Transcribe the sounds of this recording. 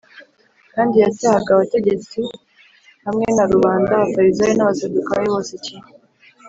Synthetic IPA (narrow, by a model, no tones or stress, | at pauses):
kaːndijatahaɡaβate̞ɟe̞t͡si | hamŋe̞naɾuβaːndaβataβizajenaβasedukaɾeβo̞ːsecine